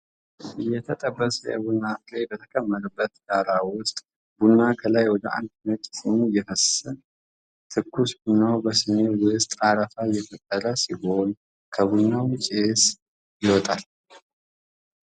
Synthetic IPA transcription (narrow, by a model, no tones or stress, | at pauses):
ʔɨjːɛt̪ʰət̪ʼəbːəsəjɛ̰bunːaflebət̪ʰə̥kʰʼəmːəɾəbːət̪ɡaɾawʊst̪ʼ | bunːakʰəlajwɔd̪əʔa̰nd̪nət̪ʼsimujɛfəssən | t̪ʰɨkʰːusbunːawbəsɨmewʊst̪ʼaɾəfajɛfət̪ʼːəɾəsiɡol | kʰəbunːawt͡ʃʼes | jɪwɔt̪ʼal